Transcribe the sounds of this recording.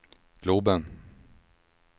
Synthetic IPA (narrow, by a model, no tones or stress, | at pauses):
ɡ̥lɵbən